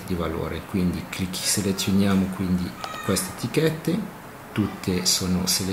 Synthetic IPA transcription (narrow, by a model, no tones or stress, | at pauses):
d̪ivalo̰ːɾekwind̪iklikʰːi̥selet̪sːjonjaːmokwind̪ikwɛst̪et̪ikɛt̪ːe | t̪ut̪ʰːesoːnosele